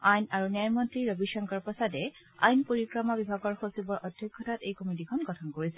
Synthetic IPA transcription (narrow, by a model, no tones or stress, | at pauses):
ajnaɹuniajmɔntɹiɹobiʃɔŋkɔɹpɔsadɛ | a̰jnpoɹikɹɔmabibʱaɡɔɹxosibɔɹʔɔdʱjokʰːɔtatejkɔmit̬ikʰɔnɡɔtʰɔnkoɹisɛ